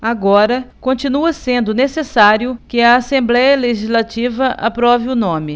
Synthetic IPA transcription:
aɡɔɾɐkõt͡ʃinuɐsẽnd̪ʊnesesaɾjʊkɪɐːsẽmblɛjɐleʒizlat͡ʃivɐʔa̰pɾɔvɪʊnõmɪ

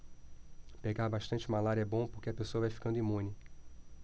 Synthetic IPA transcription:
peɡaɾbaʃt̪ɐ̃nt͡ʃɪmalaɾɛbõpoɾkeɐpesoɐvajfi̥kɐ̃nd̪imũnɪ

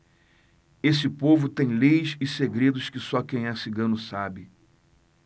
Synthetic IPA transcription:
esɪpovʊt̪ẽj̃lejsɪseɡɾed̪ʊʃkɪsɔkẽj̃ɛsɪɡɐ̃nʊsabɪ

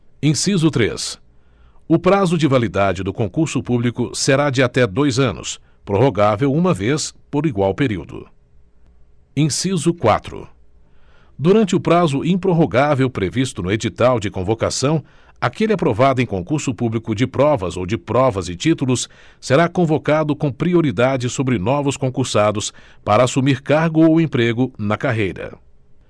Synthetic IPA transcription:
ẽsizʊt̪ɾḛs | ʊpɾazʊd͡ʒɪvalid̪ad͡ʒɪd̪ʊkõkuɾsʊpublikʊseɾad͡ʒɪat̪ɛd̪ojzɐ̃nʊ̰s | pɾoɦoɡavewũmɐvespoɾiɡwawpeɾiwd̪ʊ̰ | ẽsizʊkwa̰t̪ɾʊ̰ | d̪uɾɐ̃nt͡ʃɪʊpɾazʊʔĩpɾoɦoɡavewpɾevist̪ʊnʊed͡ʒit̪awd͡ʒɪkõvoka̰sɐ̃w̃ | akelɪapɾovad̪ʊẽj̃kõkuɾsʊpublikʊd͡ʒɪpɾɔvɐzowd͡ʒɪpɾɔvɐzɪt͡ʃit̪ulʊs | seɾakõvokad̪ʊkõpɾioɾid̪ad͡ʒɪsobɾɪnɔvʊskõkuɾsad̪ʊspaɾɐːsumiɾkaɾɡʊowẽpɾeɡʊnɐkaɦejɾɐ̰

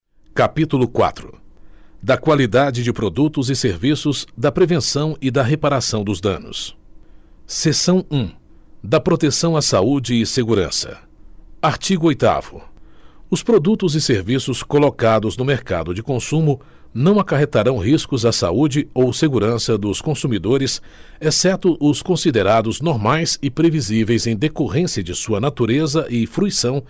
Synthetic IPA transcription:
kapit̪ulʊkwa̰t̪ɾʊ | d̪ɐkwalid̪ad͡ʒɪd͡ʒɪpɾod̪ut̪ʊzɪseɾvisʊzd̪ɐpɾevẽsɐ̃w̃ɪd̪ɐɦepaɾasɐ̃w̃d̪ʊzd̪ɐ̃nʊ̰s | sesɐ̃w̃ũ | d̪ɐpɾot̪esɐ̃w̃asaud͡ʒɪːseɡuɾɐ̰̃sɐ̰ | aɾt͡ʃiɡʊojt̪a̰vʊ | ʊspɾod̪ut̪ʊzɪseɾvisʊskolokad̪ʊznʊmeɾka̰d̪ʊd͡ʒɪkõsũmʊ | nɐ̃w̃akaɦet̪aɾɐ̃w̃ɦiskʊzɐsa̰ud͡ʒɪowseɡuɾɐ̃sɐd̪ʊskõsumid̪oɾɪs | esɛt̪ʊʔʊskõsid̪eɾad̪ʊznoɾmajsɪpɾevizivejzẽj̃d̪ekoɦẽsiɐd͡ʒɪsuɐnat̪uɾezɐʔɪfɾuisɐ̃w̃

